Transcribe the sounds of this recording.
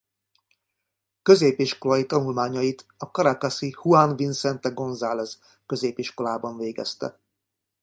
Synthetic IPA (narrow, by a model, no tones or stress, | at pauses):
kø̞zeːpiʃko̞lɒjit̪ɒnulmaːɲɒjit̪ɒkɒɾakasihuanvinsɛnt̪ɛɡo̞nzaːlɛz | kø̞zeːpiʃko̞laːbɒɱveːɡɛ̰st̪ɛ̰